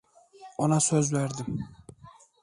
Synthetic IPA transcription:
ɒnasøzbeɾd̪ɪm

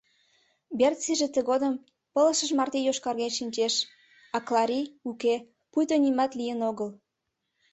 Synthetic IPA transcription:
bert̪t͡siʒet̪əɣod̪əm | pə̆lə̆ʃəʒmɑrt̪ejoʃkɑrɣeʃinʲt͡ɕeʃ | ɑklɑɾʲiuke | pujt̪onʲimɑt̪lijənoɣəl

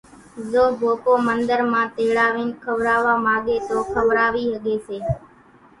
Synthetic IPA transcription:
zoːbʱoːkoːmənd̪əɾmãːt̪eːɽaːʋiːnkʰəʋɾaːʋaːmãːɠeːt̪oːkʰəʋɾaːʋiːɦəɠeːseː

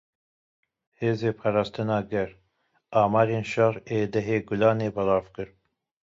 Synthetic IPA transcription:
heːzeːpʰɑːɾɑːst̪ɨnɑːɡɛɾ | ɑːmɑːɾeːnʃɑɾeːd̪ɛɦeːɡʊlɑːneːbɑlɑːvkɨɾ

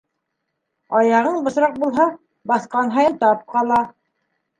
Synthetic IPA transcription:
ɑjɑʁɤɴbɤ̆ʃɾɑq̚bulˠɦɑ | bɑθqɑnɦɑjɤnt̪ɑp̚qɑlˠɑ

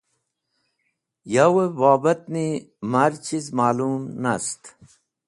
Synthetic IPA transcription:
jawebaːbɐt̪̚nimaɾt͡ɕʰizmaːlumnast̪

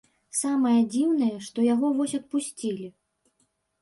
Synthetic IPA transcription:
samɐjɐd͡zʲiwnɐjɐʂt̪ɔjaɣɔvɔsʲɐt̪̚pusʲt͡sʲilʲi

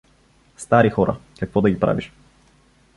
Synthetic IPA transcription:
st̪aɾixɔɾa̰kakvɔd̪aɡʲipɾa̰viʃ

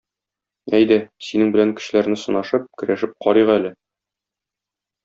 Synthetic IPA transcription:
æjd̪æsinɘŋbɘ̆læŋkɘ̥̆ɕ̆læɾnɘsŏnɑʃɤp̚kɘ̆ɾæʃɘp̚qɒɾɤʁælɘ

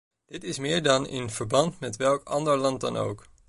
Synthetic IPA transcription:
d̥ɪtɪsmɪːɹdɑnɪ̰nv̥əɹbɑntmɛtʋɛlˠkɑ̰ndəɹlɑnt̚dɑno̰wk

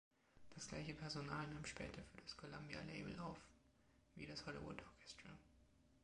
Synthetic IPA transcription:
d̥asɡ̥la̰ɪçəpʰɛɐzonaːlnaːmʃpɛ̰ːtʰɐfyːɐd̥askʰolambja̰leɪbl̩ʔaʊf | viːdashɔlḭvʊ̰tʔɔɐkʰɛstʁ̥a

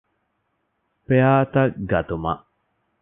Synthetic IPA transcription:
peaːt̪ɐɡɐt̪umɐ̰ʔ

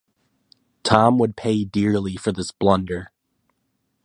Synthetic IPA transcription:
tʰɑ̃mwəd̚pʰeɪdɪɹlˠifə˞ðɪsb̥lʌ̃ndə˞

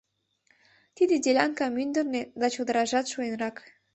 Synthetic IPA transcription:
t̪id̪edʲelʲɑŋkɑmynd̪ə̆rned̪ɑt͡ɕod̪ə̆ɾɑʒɑt̪ʃuenrɑk

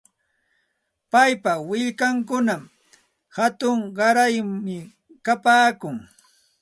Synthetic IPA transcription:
pajpawɪʎkaŋkʊnam | hat̪ʊŋɢɑɾajmɪ | kapaːkʊŋ

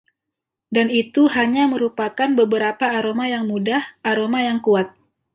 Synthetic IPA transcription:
danit̪uɦaɲaməɾupakanbəbəɾapaːɾomajaŋmudahʔaɾomajaŋkuat̪̚

